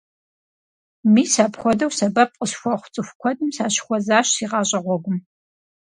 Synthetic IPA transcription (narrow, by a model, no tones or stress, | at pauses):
miːsaːpχʷɔdɐwsɐbɐp̚qʼəsxʷɔχʷʊt͡sʼɨxʷkʷʰɔdɨmsaːɕxʷɔzaːɕsiːʁɑːɕʼɐʁʷɔɡʷʊm